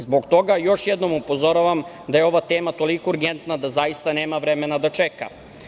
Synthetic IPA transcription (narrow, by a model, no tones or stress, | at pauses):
zboɡt̪o̞ɡajo̞ʃjed̪no̞mupo̞zo̞ɾaʋam | d̪ajeo̞ʋat̪eːmat̪o̞likouɾɡent̪nad̪azajist̪aneːmaʋɾemenad̪at͡ʃeka̰